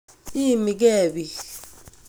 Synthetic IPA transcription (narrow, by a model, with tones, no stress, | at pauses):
i˦mi˨k̬ɛː˦˨ɓi˨